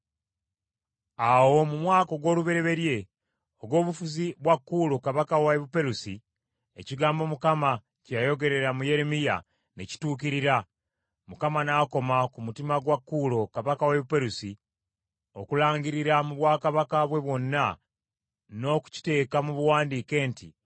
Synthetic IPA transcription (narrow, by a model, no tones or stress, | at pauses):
awo̞mumwaːko̞ɡo̞ːluβe̞ɾe̞βe̞ɾje̞ | o̞ɡo̞ːβufuziβwakːuːlo̞kaβakaweβupe̞ɾusi | ḛciɡaːmbo̞mukama | cajo̞ɡe̞ɾe̞ɾamuje̞ɾe̞mija̰ | neci̥tuːkiɾiɾa | mukamanaːko̞makumutimaɡwakːulo̞kaβakaweβupe̞ɾusi | o̞kulaːɲɡiɾiɾamuβwaːkaβakaβwe̞βwo̞nːa | no̞ːku̥ci̥te̞ːkamuβuwaːndiːke̞ːnti